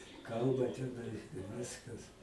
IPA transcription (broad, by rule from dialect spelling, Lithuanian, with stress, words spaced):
ˈkɐlˠbɐ tʲɛˈnɐɪ ɪr ˈʋʲɪskɐs